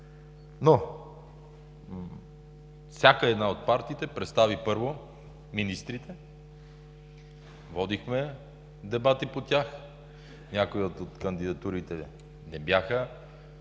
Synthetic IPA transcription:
no | fsʲjakəɛd̪naot̪̚paɾt̪iːt̪ɛpɾɛt̪st̪avipɤɾvo | minist̪ɾit̪ɛ | vɔd̪ixmɛ | d̪ɛbat̪ipot̪ʲjax | nʲakoiot̪ot̪kɐnd̪id̪ɐt̪uɾit̪ɛ | nɛbjaxə

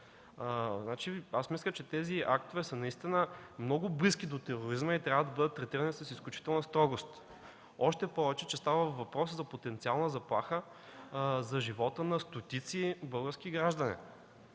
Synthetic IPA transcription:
znat͡ʃiasmislʲət͡ʃɛt̪ɛziak̚t̪ovɛsənɐist̪inəmnɔɡʊbliskʲid̪ot̪ɛɾoɾizmɐit̪ɾʲavəd̪ɐbɤd̪ət̪ːɾɛt̪iɾənisɐsisklʲut͡ʃi̥t̪ɛlˠnəst̪ɾɔɡost̪ | ɔʃt̪ɛpɔvɛt͡ʃɛt͡ʃɛst̪avəvɐpɾɔszɐpot̪ɛnt̪sialˠnəzɐplˠaxə | zɐʒivɔt̪ənɐst̪ot̪it̪sibɤlˠɡəɾskʲiɡɾaʒd̪ɐnḭ

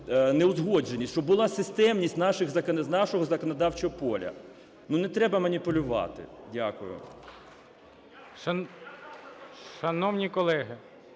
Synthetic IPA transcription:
nɛʊzɦɔd͡ʒenʲisʲt͡ʃɔbbʊlˠɑsɪst̪ɛmnʲisʲtʲnɑʃɪxzɐkɐnnɑʃɔɦɔzɐkɔnɐd̪ɑwt͡ʃɔɦɔpɔlʲɐ̰ | nunɛt̪ɾɛbɐmɐnʲipʊlʲʊʋɑ̰t̪ɪ̰dʲakʊ̰jʊ̰ | ʃɐ | ʃɐnɔwnʲikɔlˠɛɦɪ

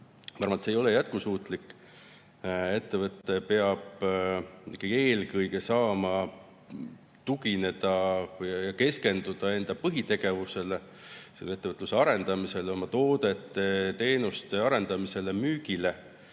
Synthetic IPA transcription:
pɑrmɑt̪sejo̞lejæt̪̚kusuːt̪ˑlikːˑ | e̞t̪ːe̞vɤt̪ːe̞pe̞ɑb̥ | ikːeje̞ːlkɤjɡe̞sɑːmɑ | t̪uɡine̞d̪̥ɑjɑjɑke̞ske̞nd̪̥ud̪̥ɑe̞nd̪̥ɑpɤɦit̪e̞ɡ̥e̞vuse̞le | selːeet̪ːe̞vɤt̪ːˑluse̞ɑɾe̞nd̪̥ɑmise̞lo̞mɑt̪o̞ːd̪̥e̞t̪ˑːe̞t̪e̞ːnust̪e̞ɑɾe̞nd̪̥ɑmise̞le̞myːɡ̥ile̞

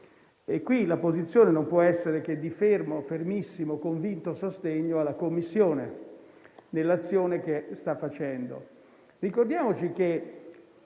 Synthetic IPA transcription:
ekːwilapozit̪sːjoːnenompwɔɛsːeɾek̟ed̪ːifermofermisːimokoɱvint̪osost̪eɲːoalːakomːisːjoːne | nelːat̪sːjoːnek̟est̪afːat͡ʃɛnd̪o̰ | rikord̪jaːmot͡ʃik̟e

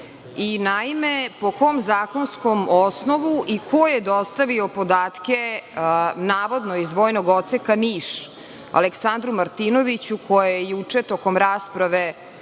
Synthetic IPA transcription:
inaimepo̞ko̞mzaːko̞nsko̞mosno̞ʋuʔikʰo̞jed̪ost̪aʋiopod̪aːt̪ke | naːʋo̞d̪noizʋoːjnoɡo̞t̪sekaniːʃ | a̰leksand̪ɾumaɾt̪ino̞ʋit͡ɕukʰo̞jejejut͡ʂet̪o̞komɾaːspɾaʋe

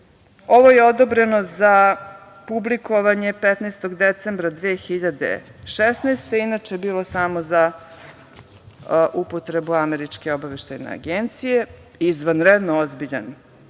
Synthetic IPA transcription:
o̞ʋo̞je̞od̪obɾe̞no̞za | publiko̞ʋaɲe̞pet̪nest̪oɡd̪et̪sembɾad̪ʋeːxiʎad̪ḛ | ʃesneːst̪einat͡ʃebiːlˠo̞samo̞za | ʔupot̪ɾebuameɾit͡ʂke̞obaʋeʃt̪ajnḛa̰ɡent̪sije | izʋanɾed̪noozbiʎa̰n

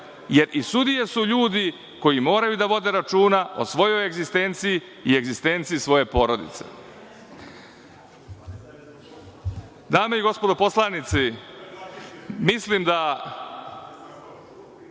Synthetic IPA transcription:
je̞ɾʔisud̪ije̞suʎuːd̪i | ko̞jimo̞ːɾajud̪aʋo̞d̪e̞ɾat͡ʃuːnao̞̰sʋo̞jo̞jeɡzist̪e̞ːnt̪siji | ie̞ɡzist̪e̞ːnt̪siːsʋo̞je̞po̞ːɾo̞d̪ḭt̪se̞̰ | d̪aːmeiɡo̞spo̞d̪opo̞slˠanit̪si | mislimd̪a

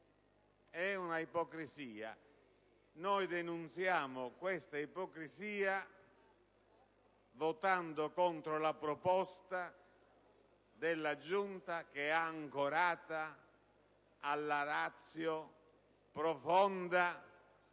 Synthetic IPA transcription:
ɛunaipɔkɾiziːa̰ | nɔjd̪enunt̪sjaːmokwɛst̪aipɔkɾiziːa | vɔt̪and̪okɔnt̪ɾolapɾɔpɔst̪a | d̪ɛlːad͡ʒunt̪ak̟eaːŋkoɾaːt̪a | lːaɾat̪sːjo | pɾɔfɔnd̪a

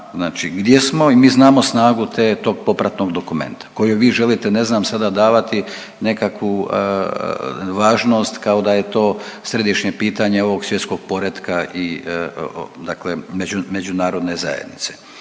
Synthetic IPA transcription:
znaːt͡ʃiɡd̪je̞smo̞imiːznaːmo̞snaːɡut̪eːt̪o̞ːɡ̚po̞pɾat̪noɡd̪o̞kume̞̰nt̪ḁko̞juʋiːʒe̞lit̪e̞ne̞znaːmsad̪ad̪aːʋat̪i | ne̞kakʋṵ | ʋaːʒno̞ːst̪kaod̪aje̞t̪o̞ːsɾe̞d̪iʃɲepiːt̪aɲeo̞ʋo̞ɡsʋje̞t̪sko̞ɡ̥̚po̞ɾed̪kaʔi | d̪aklemed͡ʒume̞d͡ʒunaːɾo̞d̪ne̞za̰jed̪nit̪se̥

